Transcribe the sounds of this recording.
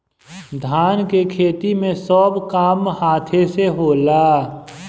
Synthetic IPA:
d̪ʱaːnkekʰeːt̪imẽsɔːbkaːmhaːt̪ʰeseɦoːlaː

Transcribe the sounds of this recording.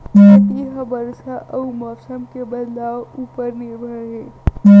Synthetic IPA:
eiɦəbəɾsaʔəwmɔsəmkebəd̪laʋuːpəɾniɾbʱəɽɦe

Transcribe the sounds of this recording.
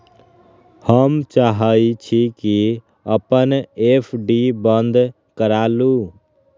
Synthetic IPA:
həmt͡ʃaɦəit͡ʃʰiki | əpənepʰɖibənd̪ʱ | kəɾalu

